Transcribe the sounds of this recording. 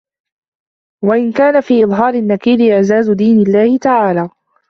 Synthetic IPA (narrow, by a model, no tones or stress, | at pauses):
waʔɪnkaːnafiːʔɪðˤɦɑːɾɪnːakiːlɪʔɪʕzaːzʊd̪iːnɪlːaːhɪt̪aʕaːlaː